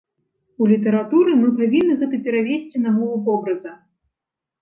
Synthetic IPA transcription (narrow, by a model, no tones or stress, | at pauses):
ulʲit̪ɐɾat̪uɾɨmɨpavʲinːɨɣɛt̪ɐpʲɛɾavʲesʲt͡sʲinamɔvˠupɔbɾɐzɐ